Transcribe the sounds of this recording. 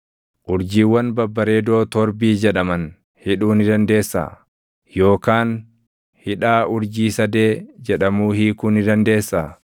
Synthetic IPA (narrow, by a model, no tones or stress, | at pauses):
ʔʊɾd͡ʒiːwːɐnbɐbːɐɾe̞ːd̪o̞ːt̪ɔɾbiːd͡ʒɛᶑɐmɐn | hɪᶑuːnɪd̪ɐnd̪e̞ːsːa̰ː | jo̞ːkaːn | hɪᶑaːʊɾd͡ʒiːsɐd̪e̞ːd͡ʒɛᶑɐmuːhiːkʊnɪd̪ɐnd̪e̞ːsːaː